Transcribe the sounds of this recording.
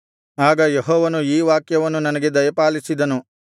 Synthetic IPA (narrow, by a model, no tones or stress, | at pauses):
aːɡɐjeɦɔːʋɐnuiːʋaːkjɐʋɐnːunɐnɐɡe̞d̪ɐjɐpaːlisid̪ɐnu